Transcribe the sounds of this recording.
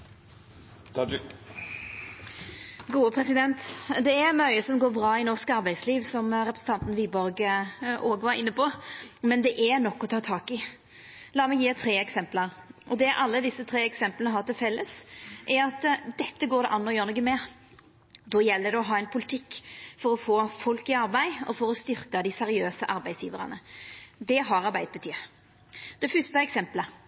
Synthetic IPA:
ɡuːəpʰɾɛsɪd̪ɛnt̪d̪ɛæɾmœʏəsɔmɡoːɾbɾɑːɪnɔʁskɑɾbæɪd̪sliːʋsɔmɾɛpɾsn̩t̪ʰɑnt̪n̩ʋiːbɔɾɡəʔoːɡʋɑɾɪ̰nːəpɔmɛnd̪ɛʔæɾnɔkːɔt̪ʰɑːt̪ʰɑːkɪ | lɑːmɛɪjiːt̪ʰɾeːɛksɛmpləɾ | ʔɔd̪ɛʔɑlːəd̪ɪsːət̪ʰɾeːɛksɛmplənəɦɑʁt̪ɪlfɛlːəsʔɛɾɑt̪d̪ɛt̪ːəɡoːɾɛ̰ʔɑnːɔjøːɾnɔɡəmɛ | d̪ɔjɛlːəd̪ɛɔɦɑːɛnpʰʊlɪt̪ʰɪkːfɔɾɔfoːfɔlkɪɑɾbæɪɔ̰fɔɾɔst̪ʏɾkɑd̪ɪsɛɾɪøːsəʔɑɾbæɪsjḭːʋəɾɑ̰nəd̪ɛɦɑɾɑɾbæɪd̪̚bət̪ʰyː | d̪̥ɛfʏst̪əɛksɛmplə

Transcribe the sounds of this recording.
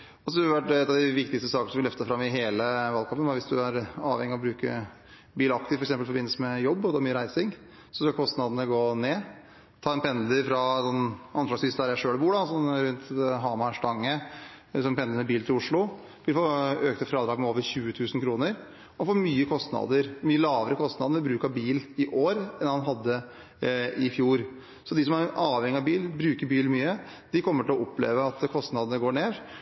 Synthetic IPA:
ɔsɔd̪ʋæʈ̚ɛt̪ːɑʋd̪ɪʋɪkt̪ɪkst̪əsɑːkənəsɔmʋɪlœft̪əsfɾɑmːɪɦeːləʋɑlkʰɑmpːənʋɑɾʋɪsd̪ʉæɾɑːʋhɛŋːɪɔbɾʉːkə̰ | biːlɑk̚t̪ɪʋfɾksɛmpəlfɔɾbɪnəsəmɛjɔbːɔt̪ʰɑːɾmyːəɾæɪsɪŋ | sɔskɑlkʰɔst̪nɑd̪ənəɡoːneː | t̪ʰɑːɛnpʰɛnd̪əɾfɾɑsɔnɑnflɑsʋɪst̪æɾjæʂøːɽbuːɖɑsɔmɾʉnt̪ɦɑːmɑʂʈɑŋːə | sɔmpɛnd̪ənəbiːlt̪ɪlʊʂɭʊ | ʋɪlfoːøːk̚t̪ʰəfɾɑːd̪ɾɑːɡmɛoːʋəɾçʉːət̪ʰʉːsnkʰɾuːnəɾ | ɔfoːɾmyːəkʰɔst̪nɑ̰d̪əɾmyːəlɑːʋəɾəkʰɔst̪nɑd̪əəʋɪbɾʉːkɑbiːlɪʔoːɾɛnhɑnɦɑd̪ːə | ɪfjuːɾ | sɔd̪ɪs̬ɔmæɾɛʔɑːʋhɛŋːɪɑʋbiːlbɾʉːkəɾbiːlmyːəd̪̥ɪkʰɔmːəʈʰɪlɔɔpːlḛːʋəɑt̪kʰɔst̪nɑd̪ənəɡoːɳeːɾ

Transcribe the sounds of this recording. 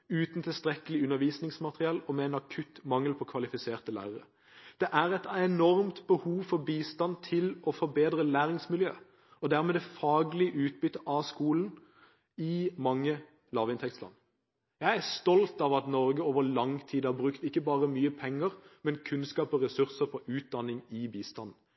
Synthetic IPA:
ʉːt̪n̩t̪ʰɪlst̪ɾɛkəlɪʉnːəɾʋiːsnɪŋsmɑt̪ʁɪɑlɔmɛɛnɑkʰʉt̪mɑŋəlpʰɔkʰʋɑlɪfɪseːʁt̪əlæ̰ːʁəʁə̰ | d̪̥ɛʔæʁɛt̪ɛnɔɾmt̪bəhuːʋfɔɾbiːst̪ɑnt̪ʰɪlɔfɔɾbeːd̪ʁəlæːɾɪŋsmɪljø̰ː | ɔd̪æʁmɛːd̪ɛfɑːɡlɪəʔʉːt̪̚bʏt̪ːəʔɑskuːln̩ | ɪmɑŋːə | lɑːʋɪnt̪ʰɛkt̪slɑ̰n | jæɪæst̪ɔlt̪ɑʋɑt̪nɔɾɡəoːʋəlɑŋt̪ʰiːd̪əhɑbʁʉkt̪ɪkːəbɑːʁəmyːəpʰɛŋːəʁmɛnkʰʉnskɑːpɔʁɛsʉʁsəpʰɔʔʉːt̪̚d̪ɑnːɪŋɪbiːst̪ɑnn̩

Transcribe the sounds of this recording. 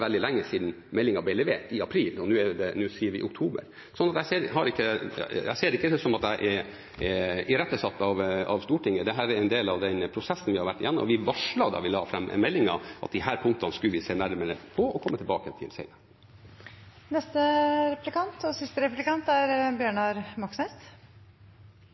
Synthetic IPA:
ʋɛld̪ɪlæŋːəsiːd̪n̩ | mɛlːɪŋɑblɪlɛʋeːʈɪɑpʰɾiːlɔnʉːɛd̪ɛnʉːsiːəɾʋɪ̰ʔʊkt̪ʰuːbə̰ɾ | sɔnːɑt̪jæɪseːɾɦɑɾɪkːəæɪseːɾɪkːəsɔmɑt̪æɪʔɛ | ɪɾɛt̪ːəsɑt̪ːɑʋɑʋst̪uːʈɪŋːəd̪ɛɦæːɾɛɾɛɪnd̪eːlɑʋd̪ɛnpʰɾʊsɛsːənʋɪhɑɾʋæʈːɪjænːmɔʋɪʋɑʂɭɑd̪ɑ̰ʋɪlɑːfɾɛmːə̰mɛlːɪŋɑ̰ʔɑ̰t̪̚d̪ɪɦæːɾpʰʊŋt̪ɑnskʉlʋɪseːnæɾməɾəpʰɔɔkʰɔmːət̪ʰɪlbɑ̰ːkət̪ʰɪ̰lsɛ̰ɪnə | nɛst̪əɾɛplɪkɑnt̪ɔsɪst̪əɾɛplɪkɑnt̪æɾbjøːɳɑɾmɑksnɛst̪

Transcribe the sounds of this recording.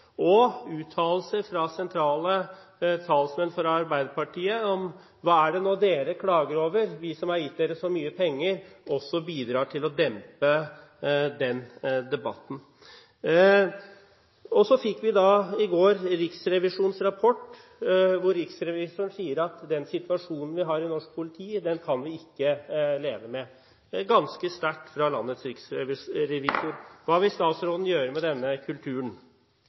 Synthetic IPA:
ɔʉːt̪ʰːɑːllsəfɾɑsɛnt̪ʰɾɑːlət̪ʰɑːlsmɛnfɔɾɑɾbæɪd̪əɾpɑʈʰiːəɔm | ʋɑːæɖɛnoːd̪eːɾəkʰlɑːɡəɾoːʋəɾʋɪsɔmhɑɾjɪt̪̚d̪eːɾəsɔmyːəpʰɛŋːəɾɔsːɔbiːd̪ɾɑːʈʰɪlɔd̪ɛmpə | d̪ɛnd̪ɛbɑ̰t̪n̩ | ɔsɔfɪkːʋɪd̪ɑɪɡoːɾɾɪksɾɛʋɪʂuːnsɾɑpʰɔʈː | ʋʊɾːɪksɾɛʋɪsʊɳ̩siːəɾɑt̪d̪ɛnsɪt̪ʋɑʂuːnən̩ʋɪɦɑɾɪnɔʂk̚pʰʊlɪt̪ʰiːd̪ɛnkʰɑnʋɪɪkːəleːʋəmɛ | ɡɑnskəst̪æʈːfɾɑlɑ̰nːət̪sɾɪksɛʋɪɾɛʋisʊɾʋɑːʋɪst̪ɑːt̪sɾoːd̪n̩jøːɾəmɛd̪ɛnːəkʰʉlt̪ʰʉːəɳ

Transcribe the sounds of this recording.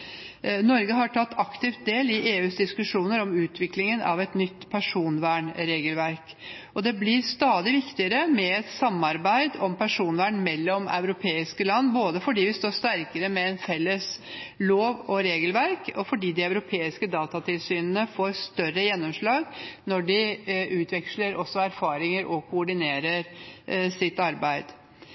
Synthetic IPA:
nɔɾɡəɦɑʈʰɑt̪ːɑkt̪ɪft̪̚d̪eːlɪʔeːʉːsd̪ɪskʉʂuːnəɾɔmʉːt̪ʰʋɪklɪŋənʔɑ̰ʋɛt̪nʏt̪ːpʰæʂuːnʋæːɳɾeːɡəlʋæɾk | ɔd̪ɛblɪɾst̪ɑːd̪ɪʋɪkt̪ɪəɾəmɛɛt̪sɑmːɑɾbæɪd̪ɔmpʰæʂuːnʋæːɳmɛlːɔmɑ̰ʉɾʊpʰeːɪskəlɑnːboːd̪əfɔɖiːʋɪst̪oːɾʂt̪æɾkəɾəmɛɛnfɛlːəsloːʋɔɾeːɡəlʋæɾkɔfɔɖiːd̪ɪɑʉɾʊpʰeːɪskəd̪ɑːt̪ɑt̪ʰɪlsyːnənəfoːɾst̪œrəjɛnːɔmʂɭɑːɡnɔɖɪʉːt̪ʰʋɛkʂləɾʔɔsːɔæɾfɑːɾɪŋəɾʔɔkʰʊːɖɪneːɾəɾsɪt̪ːɑɾbæɪd̪̥

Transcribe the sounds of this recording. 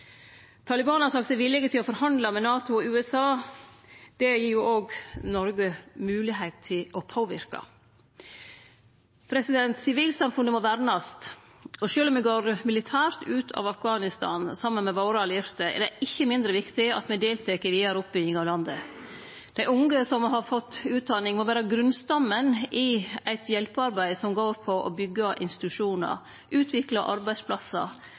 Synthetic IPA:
t̪ʰɑːlɪbɑːnɑsɑksæɪʋɪlːɪɡət̪ʰɪlɔfɔɾhɑnd̪lɑmɛnɑːt̪ʊɔʉːɛsɑː | d̪̥ɛjiːɾjuʔoːɡnɔɾɡəmʉːlɪɦeɪt̪ʰːɪlʔɔpʰoːʋɪɾkɑ̰ | pʰɾɛsɪd̪ɛnt̪sɪʋiːlsɑmfʉnəmɔʋæɾnɑst̪ | ɔʃøːlɔmɛɡoːɾmɪlɪt̪ʰæːɾt̪ʉːt̪ʰɑ̰ʋɑfɡɑːnɪst̪ʰɑ̰ːnsɑmːənmɛʋɑʊɾɑlɪɾt̪əɛ̰ɖæʔɪçːəmɪnd̪ɾəʋɪkt̪ɪɑ̰t̪mɛd̪eːlt̪ʰeːkəɾʋiːɑæɾʊp̚bʏɡɪŋɑʋlɑnd̪ə | d̪̥æɪʊŋɡəsɔmɦɑɾfɔt̪ːʉːt̪̚d̪ɑnɪŋmoʋæːɾəɡɾʉnst̪ɑmːənɪæɪt̪jɛlpəɑɾbæɪsɔmɡoːɾpʰɔʔɔbʏɡːəʔɪ̰nst̪ɪ̥t̪ʉʂuːnə̰ɾ | ʔʉːt̪ʰʋɪklɑʔɑ̰ɾbæɪspʰlɑsːɑ̰

